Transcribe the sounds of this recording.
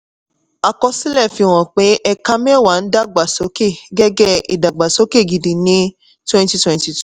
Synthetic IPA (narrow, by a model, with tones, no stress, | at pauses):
a˧kɔ˧si˦lɛ˦˨fi˧o˨w̃ɔ̃˨k͡pe˨˦ʔɛ˧ka˦mɛ̃˦˨wa˨˦n̩˦da˦ɡ͡ba˨so˨˦ke˦˨ɡɛ˦ɡɛ˦i˨da˨ɡ͡ba˨so˨˦ke˦˨ɡi˨di˨nĩ˦ | twɛ̃˦n˦ti˧twɛ̃˧nti˧tu̥˦˨